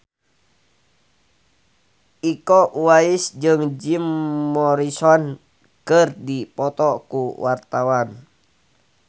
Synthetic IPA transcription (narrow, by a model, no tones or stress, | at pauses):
ikɔwaisd͡ʒɨŋd͡ʒimːɔɾisɔn | kɨrdipɔt̪ɔkuwart̪awan